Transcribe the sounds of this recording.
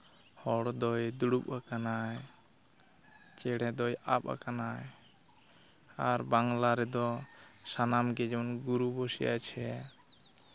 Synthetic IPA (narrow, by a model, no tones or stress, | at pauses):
hɔɽd̪ɔjd̪uɽuɓakanaj | t͡ʃɛɽɛd̪ɔjap̚a̰kanaj | aɾbaŋlaɾɛd̪ɔsanamɡɛd͡ʒɔnɡuɾubosija̰jt͡ʃʰɛ